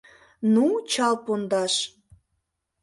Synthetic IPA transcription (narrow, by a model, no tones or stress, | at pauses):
nut͡ɕɑlpond̪ɑʃ